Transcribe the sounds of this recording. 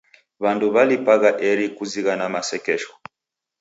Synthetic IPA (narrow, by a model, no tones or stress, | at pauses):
βanduβalipaɣaʔɛɾikuziɣanamasɛkɛʃɔ̥